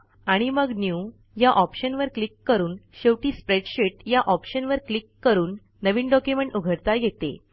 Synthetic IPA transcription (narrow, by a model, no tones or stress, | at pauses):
aɽ̃iməɡnju | jaʔɔpɕənʋəɾklikːəɾuːnɕeʋʈiːspɾeɖɕeʈjaʔɔpɕənʋəɾklikːəɾuːnː | əʋiːnɖɔkjumẽɳʈuɡʱəɽt̪ajet̪ḛ